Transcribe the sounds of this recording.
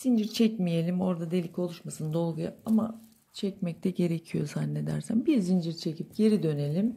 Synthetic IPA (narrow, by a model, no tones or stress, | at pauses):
z̥ind͡ʒiɾt͡ʃʰɛcmije̞lʲimo̞ɾd̪ad̪e̞lʲico̞lˠuʃmasɯnd̪o̞lˠɡuja̰ama | t͡ʃʰɛcmɛc̚t̪ʰɛɟe̞ɾecʰijo̞̰zanːe̞d̪æɾsænbiɾzind͡ʒiɾt͡ʃʰe̞cip̚ɟ̥e̞ɾid̪ø̞ne̞lʲim